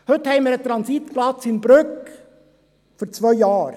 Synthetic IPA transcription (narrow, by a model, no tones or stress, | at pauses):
hɵt̪hɛɪmɪːɾət̪ɾɑnsit̪plɑt͡sɪnbɾɵk | fɔɾt͡sʋœjjɑːɾ